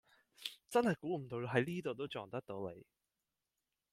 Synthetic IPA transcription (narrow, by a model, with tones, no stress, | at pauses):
t͡sɐ˥nhɐ˨jkuː˨˥m̩˨˩t̪o˧wɦɐ˨˥jliː˥t̪o˨wt̪o˥wt͡ʃɔː˨˩ŋt̪ɐ˥k̚t̪o˨˥wlḛ˨˧j